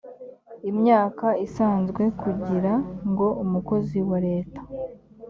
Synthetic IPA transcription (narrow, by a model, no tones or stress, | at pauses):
imɲaːkaisaːnzɡwe̞kʰuɟiɾaŋɡo̞umuko̞ziwaɾe̞ːtḁ